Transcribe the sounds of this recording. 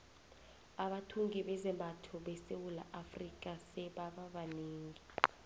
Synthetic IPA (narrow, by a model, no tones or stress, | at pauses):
aɓatʰuŋɡiɓɛzɛmbʱatʰɔɓɛsewula̰ʔafrikʼasɛɓaɓaɓaneːŋi